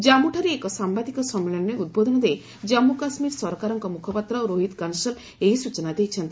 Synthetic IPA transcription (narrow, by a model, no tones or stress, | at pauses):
d͡ʒamuʈʰaɾeːkɔsambad̪ikɔsɔmːilɔneud̪̚bod̪ʱɔnɔd̪e | d͡ʒamukasmiɾsɔɾkaɾɔŋkɔmukʰɔpat̪ɾɔoɾoɦit̪kansɔl | eɦisut͡ʃɔnad̪ejt͡ʃʰɔnt̪i